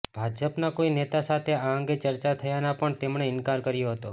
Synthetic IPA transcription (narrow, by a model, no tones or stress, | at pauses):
b̥ʱad͡ʒəpnakoinet̪asat̪ʰeaəŋɡet͡ʃəɾt͡ʃat̪ʰəjanapəɳt̪emɳeɪnkaɾkəɾjoɦət̪o